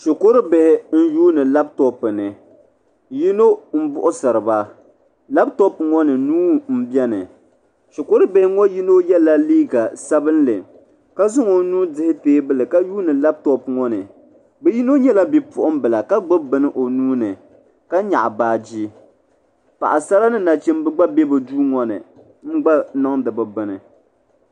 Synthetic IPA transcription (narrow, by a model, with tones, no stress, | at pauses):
ʃʊ˨ko˦ɾɨ˦bɛ˨hɪ˦n̩˦juː˦nɨ˨la˦b̚tɔ˦pɨ˨nɨ˨ | ji˦no˦m̩˦bʊ˦ʔʊ˦sɨ˨ɾɨ˨ba˦ | la˦b̚tɔ˦pŋɔ˦nɨ˨nuː˦m̩˦bjɛ˦nɨ˨ | ʃo˨ko˦ɾɨ˦be˨hɪ˦ŋɔ˦ji˦no˦jɛ˦la˦liː˦ɡa˨sa˦bɨ˦nlɨ˨ | ka˦zɨ˦ŋo˨nuː˦dɨ˦hɪ˦teː˦bɨ˦lɨ˨ka˦juː˦nɨ˨la˦b̚tɔ˦pŋɔ˦nɨ˨ | bɨ˨ji˦no˦ɲɛ˦la˦bi˨pʊ˨ʔʊ˦m˦bɨ˨la˨ka˦ɡ͡bɨ˦bɨ˨nɨ˦ʔo˨nuː˦nɨ˨ | ka˦ɲa̰˨ʔa˨baː˨d͡ʒiː˦ | pa̰˨ʔa˨sa˦la˦nɨ˦na˨t͡ʃɛ˦mbɨ˦ɡ͡ba˦bɛ˦bɨ˨duː˦ŋɔ˨nɨ̰˨ | m̩˦ɡ͡ba˦na˦ŋdɨ˨bɨ˨bɨ˨nɨ˨